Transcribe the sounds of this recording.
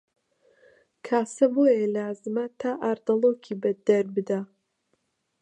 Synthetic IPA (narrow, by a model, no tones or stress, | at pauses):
kʰaːsɐboːjelaːzɨmɐt̪ʰaːʔaːɾd̪ɐlˠoːkʰibɐd̪ɐɾbɨd̪a